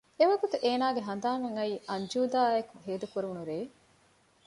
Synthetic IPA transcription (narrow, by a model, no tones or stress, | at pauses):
eʋɐɡut̪uʔeːnaːɡeɦɐnd̪aːŋɐŋɐiːɐɲd͡ʒuːd̪aːekuɦeːd̪ukuɾuʋunuɾeː